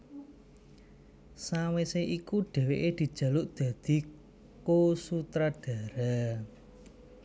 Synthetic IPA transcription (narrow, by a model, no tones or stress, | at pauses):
saweseʔikuɖ̥ɛ̤weʔed̪̥i̤d̥ʒ̥ä̤lʊʔd̪̥ä̤d̪̥i̤ | kosut̪ɾaɖ̥a̤ɾa